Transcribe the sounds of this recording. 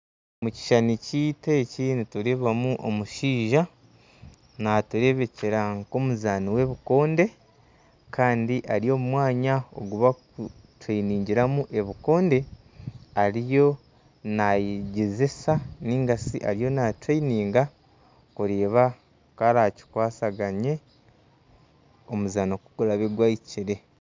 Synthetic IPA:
muci̥ʃanicite̞ːcinituɾeβamuʔomuʃiːʒa | natuɾe̞βe̞ce̞ɾaŋko̞muzaːniwe̞βuko̞ːnde̞ | kʰaːndiʔaɾijo̞ːmumwaːɲao̰ɡuβakutwainiːɲɟiɾamuʔe̞βuko̞ːnde̞ | aɾijo̞ | najɟezesaniːŋɡasḭʔa̰ɾijo̞natwainiːŋɡa | kuɾeːβa | kaɾaci̥kwaːsaɡaɲe̞ | omuzaːnokuɡulaβeɡwaiciɾe̞

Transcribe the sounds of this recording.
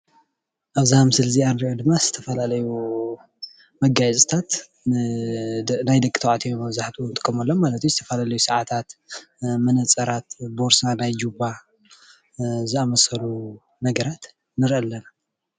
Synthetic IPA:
ʔaβzihamɨsɨlzianɾiʔod̪ɨmːaz̥ɨ̥t̪ʰɐfɐlalɐju | mɐɡajt͡sʼt̪ʰat̪ | najd̪ɐkʼit̪ʰɐwʕat̪ʰijomɐβzaħt̪ʰunt̪ɨkʼːɐmɐlːommalɐt̪ʰuzɨt̪ʰɐfɐlalɐjusɐʕat̪ʰat̪ | mɐnɐt͡sʼɐɾat̪boɾsanajd͡ʒuβa | zɨamɐsɐlu | nɐɡɐɾat̪ | nɨɾʔɐlːɐna

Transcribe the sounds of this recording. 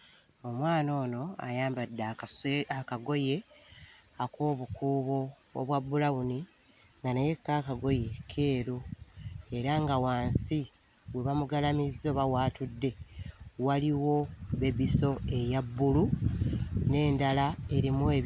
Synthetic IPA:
o̞mwaːno̞ːno̞a̰jaːmbadːaakaɡo̞je̞ | akoːβukuːβo̞̰ː | βwabːulawuni | ŋɡanaje̞kːakaɡo̞jekʰe̞ːɾu | e̞ɾaŋɡawaːnsi | weβamuɡalamizːoβawaːtudːe̞waliwo̞βeβiso̞e̞jabːulu | ne̞ːndalae̞ɾimwe

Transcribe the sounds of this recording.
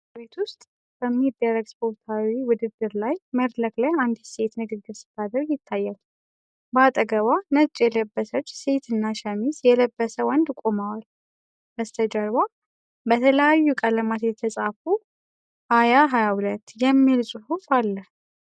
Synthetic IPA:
bet̪wʊst̪ʼ | b̥əmːid̪ːərːəɡspʰo̞ɾt̪ʰawiwʊd̪ɨd̪ːɨɾlajməɾləkʼlajand̪se̞t̪nɨɡɨɡɨɾsɨ̥t̪ad̪əɾjɪt̪ʰːajːal | bat̪ʼəɡəβanət͡ʃʼjɛləbːəsət͡ʃːse̞t̪ʰɨnːaʃɛmisjɛləbːəsəwɔnd̪kʼomawal | bəst̪ʰəd͡ʒəɾwa | bət̪ʰələjajːukʼələmat̪jɛt̪ʰəsʼafu | hajaɦajahulət̪ːjɛmːilsʼuhufalːə

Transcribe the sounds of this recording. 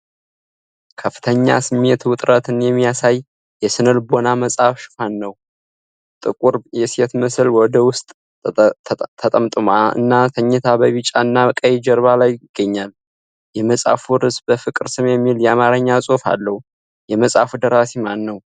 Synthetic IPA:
kʰəfːɨ̥t̪ʰəɲːa̰sɨmːet̪wʊt̪ʼɾʔət̪ɨnjɛmːijasaj | jɛsɨnɨlbo̞naməsʼafʃɪ̥fanːəw | t̪ʼɨkʼuɾjɛset̪mɨsɨlwɔd̪əwʊst̪ʼ | t̪ʰət̪ʼəmt̪ʼɨmaɨ̰nːat̪ʰəɲːɛt̪ʰabəβɨt͡ʃʼaɨnːakʼəjɛd͡ʒəɾβalajɪɡ̥ːəɲːal | jɛməsʼa̰fuɾɨsbəfɨkʼɨɾsɨmjɛmːiljɛamaɾəɲːasʼo̞fa̰lːəhu | jɛməsʼa̰fud̪əɾasemanːəw

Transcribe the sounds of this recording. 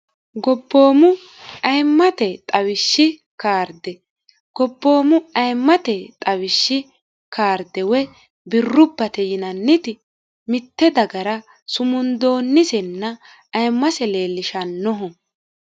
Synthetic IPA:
ɡɔbːo̞ːmʊ | ɐjmːɐt̪ɛt̪ʼɐwɪʃːɪ | kaːɾd̪ɛ | ɡ̥ɔbːo̞ːmʊɐjmːɐt̪ɛt̪ʼɐwɪʃːɪ | kʰaːɾd̪ɛwɛ | bɪrːʊbːɐt̪ɛjɪnɐnːɪt̪ɪ | mɪt̪ːɛd̪ɐɡɐɾɐ | sʊmʊnd̪o̞ːnːɪsɛnːɐ | ɐjmːɐsɛle̞ːlːɪʃɐnːɔɦɔ

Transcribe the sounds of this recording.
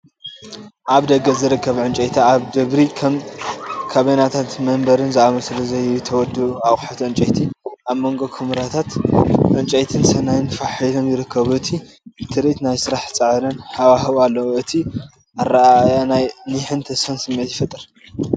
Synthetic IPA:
ʔaβd̪ɐɡɐzɨɾɨkʰːɐβʕɨnt͡ʃʼɐjt̪ʰaaβd̪ɨβɾi | kʰaβenat̪ʰat̪mɐmbɐɾɨnzɨʔamɐsɨlɐzɐjut̪ʰɐwɔd̪uuaħat̪ʕɨnt͡ʃʼɐjt̪ʰiʔaβmoŋɡokʰɨmɨɾat̪ʰat̪ʕɨnt͡ʃʼɐjt̪ʰɨnsɐnajɨnfaħilonjɪɾɨkʰːɐβuɨt̪ʰi | t̪ʰɨɾit̪najsɨɾaħt͡sʼɨʕɾɐnhawaɦɨβalːɐwuɨt̪ʰi | ʔarajanajniħɨnt̪ʰɐsfɐnsɨmːet̪jɪfɐt̪ʼɨɾ

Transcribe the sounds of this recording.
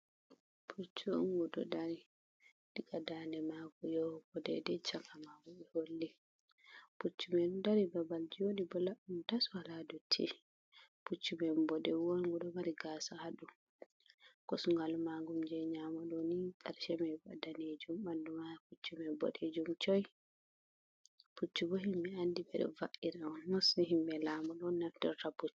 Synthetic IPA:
pʰut͡ʃːuŋɡudɔdaɾi | dikadandɛmaɡɔjɔbɔdɛ̰dɛt͡ʃakamaɡɔɓɛholːi | put͡ʃːumɛndaɾibabald͡ʒoɗibɔlauntaswaladɔtʰḭ | put͡ʃːumɛmbɔdɛwɔŋɡuɗɔmaɾiɡaːsahaɗu | kɔsuŋɡalmaɡumd͡ʒɛɲamɔɗɔniɗaɾʃɛmɛba̰daned͡ʒumbandumaput͡ʃːumɛbɔ̰ɗed͡ʒumt͡ʃɔj | put͡ʃːubɔhimːɛandiɓɛ̰ɗɔ̰va̰ʔiɾɛɔnmɔsiɦimbɛlamɔɗɔnnafdɛɾtabut

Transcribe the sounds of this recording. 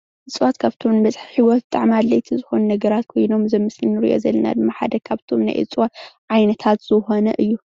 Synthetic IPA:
ʔɨt͡sʼwat̪kʰaβt̪ʰomnɨbɐt͡sʼħi̥ħiwɔt̪̚bɨt̪ʼaʕmalːɐjt̪ʰizɨxo̞nunɐɡɐɾat̪kʰojno̞mzɐmːɨslinɨɾḭʔo̞̰zɐlːɐna̰d̪ɨmːaħa̰d̪ɐkʰaβt̪ʰo̞mna̰jʔɨ̰t͡sʼwat̪ʕajnɐt̪ʰat̪z̥ɨxo̞nɐ̰ʔɨjːu

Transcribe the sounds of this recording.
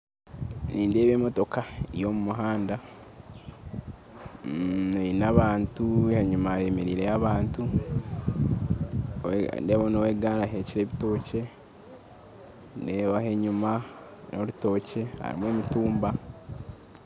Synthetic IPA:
niːnde̞ːβeːmo̞to̞kaijo̞mumuɦaːnda | einaβaːntuheɲumajeːmeɾiːɾeaβaːntu | deβonoweːɡaɾaɦe̞ciɾe̞ːβito̞ːce̞ | ndeːβahe̞ɲuma | no̞luto̞ːce̞ha̰ɾḭmwemituːmba

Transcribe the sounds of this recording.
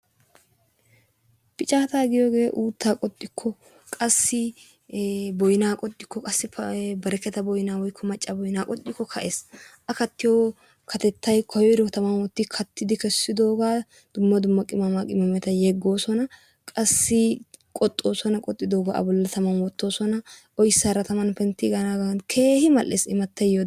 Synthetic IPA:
pɪt͡ʃʼaːt̪aːɡɪjoːɡe̞ːʔuːt̪ːaːkʼɔt̪ʼːɪkʰːɔ | kʼɐsːɪ | bɔjɪnaːkʼɔt̪ʼːɪkːɔkʼɐsːɪbɐɾɛkːɛt̪ɐbɔjnaːwɔjkʰːɔmɐt͡ʃʼːɐbɔjnaːkʼɔt̪ʼːɪkːɔkʰɐʔeːsʔɐkɐt̪ːɪjoː | kʰɐt̪ɛt̪ʰːɐjkʰɔjɔɾɔt̪ɐmɐmɔt̪ːɪkʰɐt̪ːɪd̪ɪkɛsːɪd̪o̞ːɡaː | d̪̥ʊmːɐd̪ʊmːɐkʼɪmɐmakʼɪmɐmɛt̪ɐjɛɡːo̞ːsɔnɐ | kʼɐsːɪkʼɔt̪ʼːo̞ːsɔnɐkʼɔt̪ʼːɪd̪oːɡaʔɐ̰bɔlːɐt̪ɐmɐmɔt̪ːo̞ːsɔnɐʔɔjsɐɾɐt̪ɐmɐnpɛnt̪ːɪɡɐnaɡɐnkʰe̞ːhɪmɐlʔːḛːsɪmɐt̪ːɐjo

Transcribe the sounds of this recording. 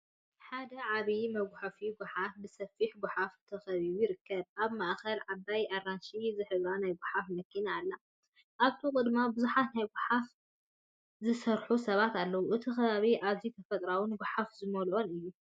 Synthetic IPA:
ħad̪ɐʕaβimɐɡʷħafiɡʷʊħafbɨsɐfiħɡʷʊħaft̪ʰɐxɐβiβujɪɾɨkːɐβ̚ʔaβmaʔxɐlʕabajaranʃizɨħɨβɾanajɡʷʊħafmɐkʰːinaːlːa | ʔaβt̪ʰukʼɨd̪mabɨzuħat̪najɡʷʊħaf | zɨsɐɾħusɐβat̪alːɐwuʔɨt̪ʰixɐβaβiʔaβzit̪ʰɐfɐt̪ʼɾawɨnɡʷʊħafzɨmɐlʔo̞nɨjːu

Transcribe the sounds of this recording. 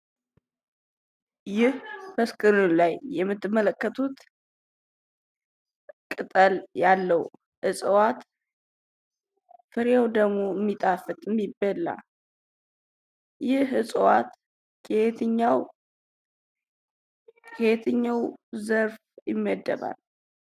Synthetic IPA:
jɪhbəskʼɨɾunlajːɛmːɨt̪ːɨmːələkːət̪ʰut̪ | kʼɨt̪ʼəljalːəw | hɨsʼəwat̪ | fɨɾjewd̪əɡmo̞əmːit̪ʼafɨt̪ʼɨmːibːəla̰ | jɪhɨsʼəwat̪ | kʰet̪ʰɲːaw | kʰet̪ʰɨɲːawzəɾf | jɪmːəd̪ːə̰βa̰l

